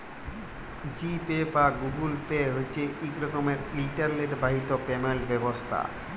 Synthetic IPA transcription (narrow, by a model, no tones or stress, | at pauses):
d͡ʑipebaɡuɡulpeɦoet͡ɕʰeʔikɾɔkomeɾilʈaɾleʈbaɦit̪opemelbɛbost̪ʰa̰